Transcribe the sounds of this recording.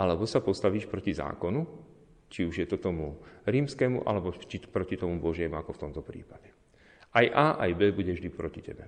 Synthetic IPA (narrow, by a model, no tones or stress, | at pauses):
ʔalɛbɔsapɔst̪aʋiːʃpɾɔciza̰ːkɔnu | t͡ʃiuʒjɛt̪ɔt̪ɔmuɾiːmskɛːmṵʔa̰lɛbɔt͡ʃipɾɔcit̪ɔmubɔʒɪɛmuakɔft̪ɔmt̪ɔpɾḭːpaɟɛ | ajʔaːʔajbɛːbuɟɛvʒd̪ipɾɔcicɛ̰bɛ